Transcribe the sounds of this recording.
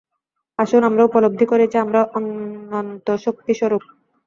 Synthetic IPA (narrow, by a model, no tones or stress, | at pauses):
aʃonamɾaupolob̚d̪ʱːikoɾet͡ɕʰiamɾaʔonːont̪oʃok̚t̪iʃɔɾok̚